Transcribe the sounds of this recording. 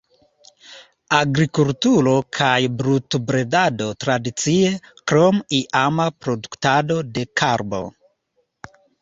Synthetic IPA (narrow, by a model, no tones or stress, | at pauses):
aɡɾikultuɾo̞kʰajbɾutbɾedado̞tɾadit͡sie̞kɾo̞miʔamapɾo̞duktado̞de̞kʰaɾbo̞̰